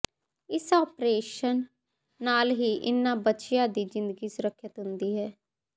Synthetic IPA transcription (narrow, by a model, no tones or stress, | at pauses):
ɪsɔːpɾeːʃənː | aːlɦiːʔɪnːãːbətːʃɪjãːd̪iːzɪ̃nd̪əɡiːsʊɾəkʰːjət̪ɦʊnd̪iːɦɛː